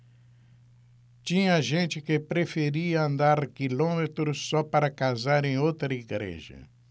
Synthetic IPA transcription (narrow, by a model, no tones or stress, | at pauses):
t͡ʃĩɲɐʒẽnt͡ʃɪkɪpɾefeɾiɐɐ̃nd̪aɾkilõmet̪ɾʊsːɔpaɾɐkazaɾẽj̃owt̪ɾɐiɡɾḛʒɐ̰